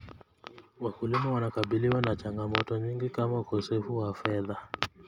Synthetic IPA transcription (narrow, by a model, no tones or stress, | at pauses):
wakulimawanakaɓiliwanat͡ʃaŋɡamɔtɔɲiŋɡikamaukɔsɛfuwafɛða